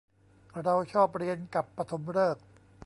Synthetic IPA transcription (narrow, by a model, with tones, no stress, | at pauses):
ɾa˧wt͡ɕʰɔː˥˩p̚ɾi˧ənka˨˩pːa˧t̪ʰo˩˦mɾɤː˥˩k̚